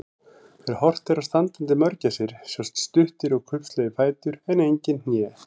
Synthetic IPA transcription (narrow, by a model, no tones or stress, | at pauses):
θɛɾhɔr̥t̪ɛɾast̪ant̪ɪnt̪̬ɪmœɾcasɪɾ̥sjɔwst̪st̪ʏht̪ɪɾɔɣkʰʏhpslɛːjðɪfaːjt̪ʏɾɛnejɲcɪnnjɛː